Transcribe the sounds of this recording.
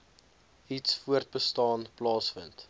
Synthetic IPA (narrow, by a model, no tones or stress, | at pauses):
itsfuərt̚bəstɑːnplɑːsfənt